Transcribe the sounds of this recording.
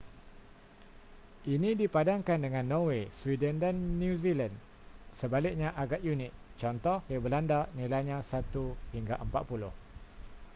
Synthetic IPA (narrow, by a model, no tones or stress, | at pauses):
ʔinĩdipadaŋkandəŋãnːõweswidəndanːjuziland | səbalɪk̚ɲãʔaɡaʔ̪junɪt̪̚ | t͡ʃɔnt̪ɔhjabəlandaʔnilajɲãsat̪uhiŋɡaʔəmpa̰t̪̚pulʊh